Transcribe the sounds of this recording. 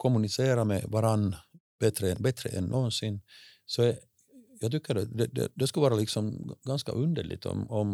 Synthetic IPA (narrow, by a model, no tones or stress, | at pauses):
kʰɔmːʉnɪseːɾamɛ̰vaɾanː | b̥ɛt̪ɾəɛnbɛt̪ɾə̰ʔɛnːʔoːnsɪnːsɔɛ | jɑːɡt̪ʏkːəɖɛd̪ɛd̪ɛ̰d̪ɛskɵvɑːɾalɪksɔmɡanska̰ʔʉnd̪ə̰ɭɪ̰t̪ɔ̰mɔm